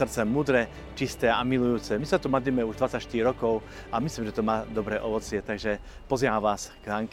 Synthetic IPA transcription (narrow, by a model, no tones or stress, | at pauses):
srt͡sɛmuːd̪ɾɛ | t͡ʃist̪ɛːamilujuːt͡sɛmisat̪umad̪liːmɛuʒd̪ʋat͡sacʃt̪iɾiɾɔkɔʊ | ʔamisliːmʒɛt̪ɔmaːd̪ɔbɾɛːʔɔʋɔt͡sɪɛt̪aɡʒɛ | pɔziʋaʋaːsɡɦaŋk